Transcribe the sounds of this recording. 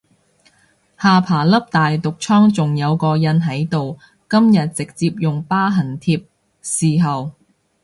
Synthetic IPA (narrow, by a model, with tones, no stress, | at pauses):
haː˨pʰaː˨˩lɐ˥p̚t̪aː˨jt̪ʊ˨k̚t͡sʰɔː˥ŋt͡sʊ˨ŋjɐ˨˧wkɔː˧jɐ˧nɦɐ˨˥jt̪o˨w | kɐ˥mjɐ˨t̚t͡sɪ˨k̚t͡siː˧p̚jʊ˨˩ŋpaː˥ɦɐ˨˩nt̪ʰiː˧p̚ | siː˨ɦɐ˨w